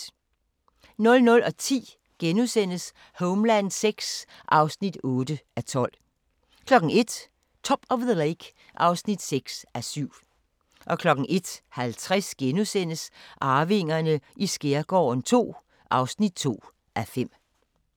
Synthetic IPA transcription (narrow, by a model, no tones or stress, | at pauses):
nɔ̽lnɔ̽lɒ̽t͡sʰḭː | ɡ̥enusen̰əs | hɔʊmlænseɡ̥s | ʔɑ̈ʊsnid̥ɔːd̥əæt͡sʰɒ̽l̰ | kʰlɒ̽ɡ̥ŋ̩e̝d̥ | t͡sʰɒ̽b̥ɒ̽ʋðəleɡ̥ | ʔɑ̈ʊsnid̥seɡ̥sæsyʊ̰ | ʔɒ̽kʰlɒ̽ɡ̥ŋ̩ʔe̝d̥hælt͡sʰʁasɡ̥enusen̰əsʔɑ̈ːʋe̝ŋ̰ɐnəʔisɡ̥eɐɡ̥ɒ̰ːnt͡sʰo̝̰ː | ʔɑ̈ʊsnid̥̚t͡sʰo̝̰ː | ʔæfem̰